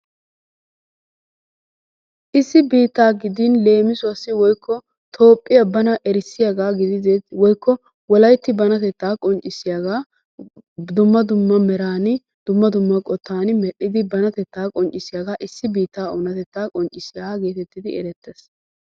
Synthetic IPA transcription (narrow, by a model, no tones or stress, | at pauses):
ʔɪsːɪbiːt̪ːaːɡɪd̪ɪnle̞ːmɪsʊɐsːɪwɔjkːɔ | t̪ʰo̞ːpʼːɪɐbːɐnɐʔɛɾɪsːɪjaɡaːɡɪd̪ɪwɔjkːɔ | wɔlɐjt̪ːɪbɐnɐt̪ɛt̪ːaːkʼɔnt͡ʃʼːɪsːɪjaɡaː | d̪ʊmːɐd̪ʊmːɐmɛɾaːnɪ | d̪̥ʊmːɐd̪ʊmːɐkʼɔt̪ːaːnmɛɗːɪd̪ɪbɐnɐt̪ɛt̪ːaːkʼɔnt͡ʃʼːɪsɪjaɡaːʔɪsːɪbiːt̪ːaːɔnɐt̪ɛt̪ːaːkʼɔnt͡ʃʼɪsɪjaɡe̞ːt̪ɛt̪ːɪd̪ɪɛ̰ɾɛt̪ːes